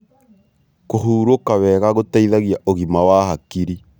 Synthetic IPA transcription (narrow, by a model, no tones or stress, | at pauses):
koɦuːɾokawɛɣaɣotaiðaɣiaʔoɣimawaɦakiɾi